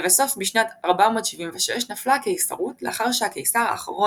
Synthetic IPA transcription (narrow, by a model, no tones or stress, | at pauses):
veso̞fmiʃnataʁbamo̞tʃivimveʃeʃnaflake̞jsa̰ʁutleaχaʁʃeakejsaʁa̰χaʁo